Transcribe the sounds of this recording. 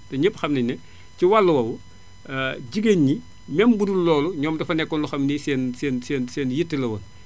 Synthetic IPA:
tɛɲəpxɐmniɲnɛ | ciwalːɐwɐwu | ɟiɡeɲɲi | mɛmbudullɔːluɲɔːmdɐfɐnɛkːɔnluxɐmniːsɛːnsɛːnsɛːnsɛːnjitːilɐwɐn

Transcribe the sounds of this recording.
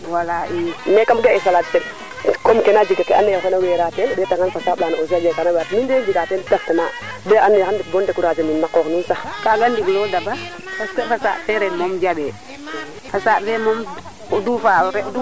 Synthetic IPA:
walaʔinɛkamɡaɛsalatfɛ | kɔmkɛnad͡ʒiɡakɛa̰nːɛkɔnawɛɾatɛndɛtaŋanfasaːblanaɔs̬ad͡ʒɛkanawatmindɛd͡ʒiɡatɛntaftɛma | bɛʔanːɛhandibɔndɛkuɾad͡ʒɛminnakɔknunsakaɡandiɡlɔdaba | paskɔfasa̰ːʔfɛɾɛnmɔmd͡ʒabɛ | fasaʔfɛmɔm | kɔdufaɔɾɛdu

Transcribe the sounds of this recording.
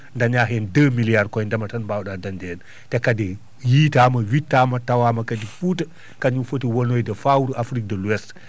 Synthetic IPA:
ndaɲaɦɛndəmilijaɾkɔjndɐmɐtanbawɗadandɛːn | tɛkadi | jiːtamɐwitːaːmɐtawamɐkadifutə | kaɲufotiwɔnojdɐfawuɾafɾik̚dəluɛs

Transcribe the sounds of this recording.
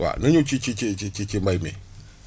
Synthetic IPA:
wa̰nuɲut͡ʃit͡ʃit͡ʃet͡ʃit͡ʃit͡ʃembaimḛ

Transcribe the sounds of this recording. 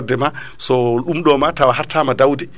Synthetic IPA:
dɛma | sɔɗumɗɔmatawaɦaɾtamadawdi

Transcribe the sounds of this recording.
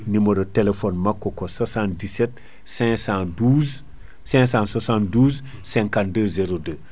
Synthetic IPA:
nimoɾotelefonmakːokosasãndiset̚ | sɛ̃sãnduːz | sɛ̃ŋsãnsasãnduːz | sɛ̃ŋkandəzeɾodə

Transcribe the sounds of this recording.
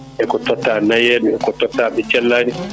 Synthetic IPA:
ʔɛkɔtɔtːanajɛɗuɛkɔtɔtːaɓɛt͡ʃɛlːaːni

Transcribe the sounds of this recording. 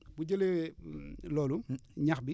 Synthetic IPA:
buɟɐlew | lɔːluɲaxbi

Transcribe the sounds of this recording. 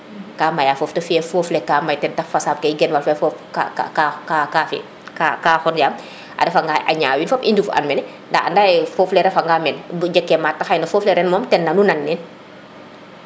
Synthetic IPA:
kaːmajaːfɔːftɐfɛːfɔːflɛkaːmɐjtɛntɐfɐsaːb̚kɐjɡɛnwɐlfɛfɔfka̰ka̰kakakafɛ̰ | kakaːxɔnɟaːm | ʔa̰dɛfaŋɡajʔɐ̰ɲaːwinfɐpindufʔɐ̰nmɛnɛ | ndaɐ̰ndaːjfɔːflɛɾɛfaŋɡamɛnbɟɛkːɛmaːtːɐxajnɐfɔːflɛɾɛnmɔːmtɛnːɐnunanːɛn

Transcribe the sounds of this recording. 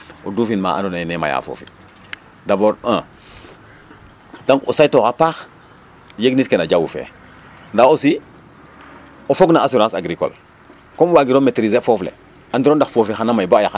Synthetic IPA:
oduːfinma̰ʔa̰ndonanema̰ja̰fo̰ːfḭ | daboːɾã | daŋkosajtoxapaːx | jeɡnitkenaɟawṵfḛː | ndaosi | ofoɡnaːsuɾãːsaɡɾiko̰l | komwaɡiɾometɾizefoflḛ | andiɾoːndaxfoːfixanamajboajax

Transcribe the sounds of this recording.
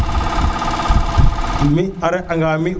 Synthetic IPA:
miaɾeʔaŋɡami

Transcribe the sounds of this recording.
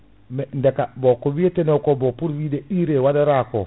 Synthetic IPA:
mɛndekabokowietenokobopuɾwideiɾewadaɾako

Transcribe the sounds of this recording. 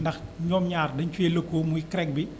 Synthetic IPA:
ndɐxɲɔːmɲaːrdɐɲt͡ʃweːləkːoːmuikɾɛk̚bi

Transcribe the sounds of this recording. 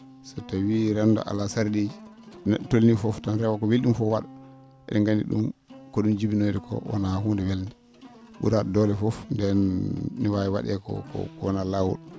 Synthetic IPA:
sɔtawiɾɛndɔ̰ʔa̰lasaɾded͡ʒinɛɗtolnifɔftanɾɛwakɔwelɗumfɔwaɗa | ɛ̰ɗɛŋɡandḭɗṵmkɔɗumd͡ʒibinodɛkʰɔ̰wɔ̰nahundɛwelnɛ | ɓṵɾaɗɔdɔlɛfɔfndɛnːiwajiwa̰ɗɛkɔ̰kɔ̰kwɔnalawṵl

